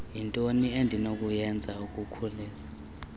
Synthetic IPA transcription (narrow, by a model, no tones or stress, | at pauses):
jintʼoniendʱinokʼujɛnd͡zʱaukʼukʰuliːza